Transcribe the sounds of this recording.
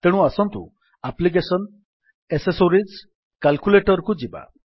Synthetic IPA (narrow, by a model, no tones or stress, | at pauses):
t̪eɽ̃ũasɔnt̪ṵ | aplik̬esɔn | esesoɾid͡ʒ | kalkuleʈɔɾɔkud͡ʒiba̰